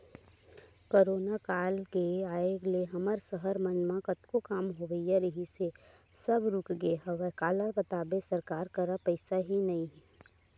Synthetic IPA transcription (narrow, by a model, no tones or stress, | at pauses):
koːɾoːnakaːlkeaːeɡleɦɐməɾsəɦəɾmənmãkət̪kokaːmɦoːʋəijaɾəɦise | sɐbɾuːkɡəeɦɐʋəkaːlabət̪aːbesɐɾkaːɾkəɾapəɪsaɦinɐĩɦ